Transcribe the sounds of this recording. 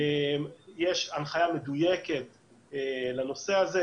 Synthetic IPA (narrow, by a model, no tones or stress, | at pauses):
emjeʃanχajame̞d̪ujeke̞t̪ | elano̞se̞aze